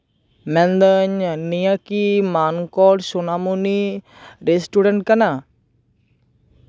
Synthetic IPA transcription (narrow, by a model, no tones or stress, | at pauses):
mɛ̃nd̪əɲnijakiːmaːnkɔːɖʃonaːmuni | ɾesʈuːɖəɳʈ̚kəna